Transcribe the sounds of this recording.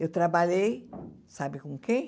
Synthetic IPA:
ewt̪ɾabaʎej | sabɪkõŋkẽ

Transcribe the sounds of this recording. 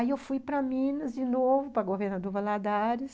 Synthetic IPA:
aiewfujpɾɐmĩnɐzd͡ʒɪnovʊpɾɐɡoveɾnad̪oɾvɐlad̪aɾɪs

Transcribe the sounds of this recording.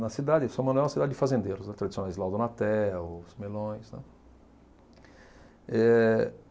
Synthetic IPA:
nɐsid̪ad̪ɪsõmɐ̃nd̪ʊɛ̃w̃ɐsid̪ad̪ɪd͡ʒɪfazẽnd̪eɾʊsnɛt̪ɾad̪isjonajzlawd̪onat̪ɛsmelõj̃snɛ̰ | ɛ

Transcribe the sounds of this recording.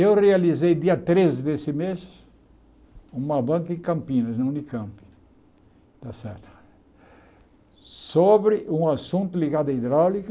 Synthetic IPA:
ewrealizejd̪iɐt̪ɾezɪd̪esɪmes | ũmɐbɐ̃ŋkɐɪ̃kɐ̃mpĩnɐznɐ̃ũnɪkɐ̃mpi̥ | t̪asɛɾt̪ʊ̥ | sobɾɪʔũasũnt̪ʊliɡad̪ɐid̪ɾawlikɐ

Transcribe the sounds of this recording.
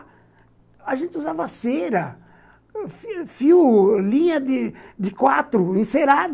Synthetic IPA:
aʒẽnt̪ɪuzavaseɾɐ | ffiwlĩɲɐd̪ɪd̪ɪkwat̪ɾʊẽseɾad̪

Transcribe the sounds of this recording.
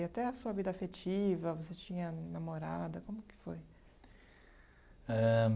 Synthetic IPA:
at̪ɛɐsuɐvid̪ɐafet͡ʃivɐvoset͡ʃĩɲɐnamoɾa̰d̪ɐkõmʊkɪ̥foj | ɛ

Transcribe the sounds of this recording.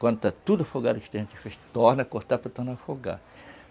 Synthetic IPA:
kwɐ̃nd̪ʊt̪at̪ud̪ʊɐfoɡad̪ʊkɪ̥t̪ẽʒẽnt̪ɪfeʃt̪oɾnɐkoɾt̪aɾpɾɐt̪oɾnaɾɐfoɡa̰

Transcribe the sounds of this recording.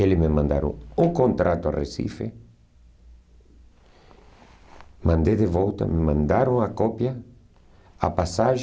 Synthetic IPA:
elɪmemãnd̪a̰ɾo̰ŋʊkõnt̪ɾat̪ʊa̰resḭfḛ | mãnd̪eðeβɔwt̪a̰memãnd̪aɾʊŋakɔpja | a̰pasaʒ

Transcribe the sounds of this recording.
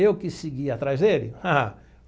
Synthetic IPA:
ewkɪsɪɡiat̪ɾajzd̪elɪ̰haa

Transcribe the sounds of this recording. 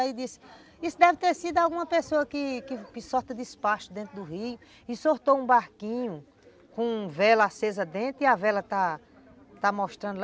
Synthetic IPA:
id̪isɪ̥ | isʊd̪ɛvɪt̪eɾsid̪ʊawɡũmɐpesoɐkɪkɪkɪsɔɾt̪ɐd̪ɪspaʃʊd̪ẽnt̪ɾʊd̪ʊhijʊ | ɪsoɾt̪owũbaɾkĩɲʊ | kõvɛlɐasezɐd̪ẽnt̪ʊiavɛlɐt̪a | t̪amɔʃt̪ɾɐ̃nd̪ʊl

